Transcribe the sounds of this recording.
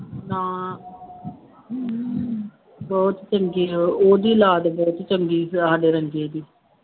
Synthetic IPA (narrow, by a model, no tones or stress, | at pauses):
nãː | bɔːt̪t͡ʃəŋɡiːoːd̪iːlaːd̪bɔːt̪t͡ʃəŋɡiːaːɖeːɾəŋɡeːd̪iː